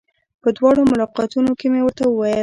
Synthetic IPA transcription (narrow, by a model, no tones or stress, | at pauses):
pəd̪wɑɽomʊlɑqɑt̪unokemewəɾt̪awəwajə